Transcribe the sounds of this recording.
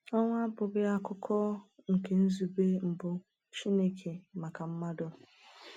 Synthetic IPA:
ɔ˦ŋʷ˦a˦bʊ˨ɡɪ˦a˦kʊ˦kʰɔ˦ŋ̩˨ke˨n̩˦zu˨be˦m̩˨bʊ˦ | t͡ʃi˦ne˦kʰe˨ma˨ka˨m̩˦ma˦dʊ˦

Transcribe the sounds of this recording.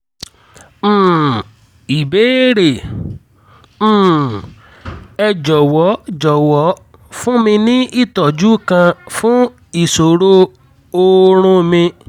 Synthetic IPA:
i˨be˨˦ɾe˨˦˨ | ɛ˧d͡ʒɔ˨wɔ˨˦d͡ʒɔ˨wɔ˨˦ | fũ˦mĩ˧nĩ˦ʔi˦tɔ˨d͡ʒu˦kã˧fũ˦ | i˨so˨ɾo˧ | o˦˧ɾ̃ũ˧mĩ˧

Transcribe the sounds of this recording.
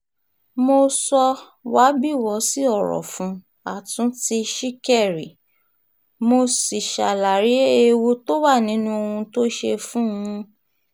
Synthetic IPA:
mo˧sɔ˧ | wa˨˦bi˦˨wɔ˨˦si˦ɔ˦˨ɾɔ̰˨fũ˨˦ | a̰˨tũ˨˦ti˧ʃi˦kɛ˦˨ɾi˨ | mo˧si˨ʃa˨la˨ɾi˨˦e˧wo˧to˦wa˦˨nĩ˨˦nũ˦o˧ũ˧to˦ʃe˧fũ˦ũ˧˦

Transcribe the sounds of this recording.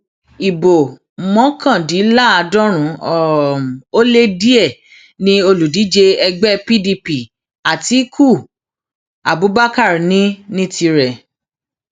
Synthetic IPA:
i˨bo˨ | mɔ̃˨˦kã˦˨di˨˦la˦˨a˧dɔ̃˦ɾ̃ũ˨˦ɔ˨o˦le˦di˦ɛ˦˨ | nĩ˧o˧lu˨di˨˦d͡ʒe˧ɛ˧ɡ͡bɛ˦pi˦di˧pi˨ | a˨ti˨˦kʰu˦˨ | a˨bu˨˦ba˦ka˦˨ɾi˨nĩ˦nĩ˦ti˧ɾɛ˨

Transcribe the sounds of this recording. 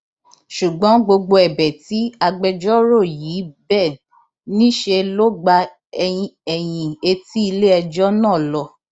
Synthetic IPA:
ʃu˨ɡ͡bɔ̃˨˦ɡ͡bo˧ɡ͡bo˧ɛ˨bɛ˨ti˨˦a˧ɡ͡bɛ˧d͡ʒɔ˦ɾo˦˨ji˨˦bɛ˦˨ | nĩ˦ʃe˧lo˦ɡ͡ba˧˦ | ɛ˨j̃ĩ˧e˧ti˦i˧le˦ɛ˧d͡ʒɔ˦nãː˦˨lɔ˧

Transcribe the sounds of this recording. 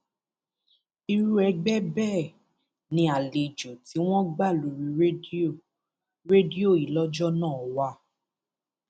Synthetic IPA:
i˧ɾu˦ɛ˧ɡ͡bɛ˦bɛː˦˨ | nĩ˧˦a˨le˨d͡ʒo˨ti˨˦w̃ɔ̃˦ɡ͡ba˦˨lu˨ɾi˧˦o˦˨ | ɾe˦di˦o˦˨i˨lɔ˦d͡ʒɔ˦nãː˦˨wa˧˦

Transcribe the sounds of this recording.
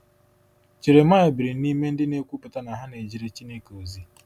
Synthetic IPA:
t͡ʃe˨ɾe˨ma˦ɪ˨bɪ˨ɾi˨ni˦me˦n̩˦dɪ˦ne˦kʷu˦pʊ˨ta˦na˨ɦa˦ne˨d͡ʒi˦ɾe˦t͡ʃi˦ne˦ko˨zi˦

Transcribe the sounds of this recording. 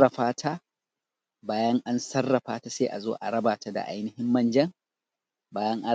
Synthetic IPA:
ɐ˨ɸaː˦tʰa˦ | baː˦jɐ˦ŋʔa˦nsɐ˦rːɐ˨ɸaː˦ta˦seː˦ʔa˨zo̰ː˦ʔa˨ɽɐ˦baː˨ta˦da̰˨ʔa̰˦jnɪ˦hɪ˦mːɐ˦˨nd͡ʒɐ˦ŋ | baː˦jɐ˦ŋʔa˦

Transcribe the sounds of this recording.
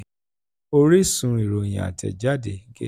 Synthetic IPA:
o˧ɾi˦sũ˨˦i˨ɾo˨j̃ã̰˨a̰˨tʰɛ̰˨d͡ʒa˦de˨˦ɡḛ˦˨

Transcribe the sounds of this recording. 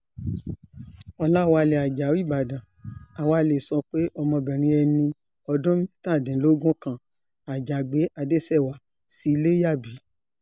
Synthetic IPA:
ɔ˧la˦wa˧le˨a˨d͡ʒa˨˦wi˦˨ba˨dã˨ | a˨wa˧le˨sɔ̃˧k͡pe˦ʔɔ˧mɔ̃˧bɛ˨ɾ̃ĩ˧ɛ˧nĩ˧ | ɔ˧dɔ̃˦mĩ˦ta˦˨dɛ̃˨˦lo˦ɡũ˦kã˦˨ | a˨d͡ʒa˨ɡ͡be˨˦ʔa˧de˦sɛ˦˨wa˨ | si˨˦˧le˦ja˦˨bi˨˦

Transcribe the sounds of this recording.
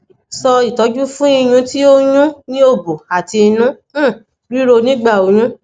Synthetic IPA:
sɔ˧i˨tɔ˨˦d͡ʒu˦fũ˦i˦˧j̃ũ˧˦ti˦o˦ɲũ˦nĩ˦o˦˨bo˨a˨ti˧nũ˦˨ | ɾi˦ɾo˧nĩ˦ɡ͡ba˦˨o˨j̃ũ˦

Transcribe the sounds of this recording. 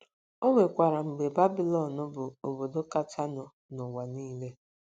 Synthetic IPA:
o˦ŋʷe˨kʷa˨ɾa˨ŋ͡m̩˨ɡ͡be˨ba˦bi˨lɔ˨nʊ˦bʊ˨o˨bo˨do˦ka˦ta˦nʊ˨ | nʊ˨wa˨niː˦le˦

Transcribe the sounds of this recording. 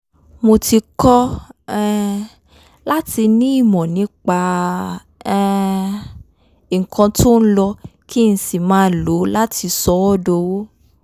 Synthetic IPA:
mo˧ti˧kɔ˦ɛ˦ | la˦ti˧nĩ˦i˦˨mɔ̃˨nĩ˨˦k͡pa˧˦ | i˨ŋ̩˨kʰɔ̃˧tʰo˦n̩˦lɔ˧ki˦˨n̩˦si˨mãː˨˦˨lo˨˦la˦tʰi˧sɔ˧˦wɔ˦do˧wo˦

